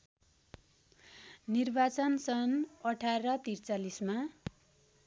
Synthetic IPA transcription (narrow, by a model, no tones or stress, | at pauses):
nirbat͡sʌnsʌnʌʈʰaɾʌt̪irt͡salisma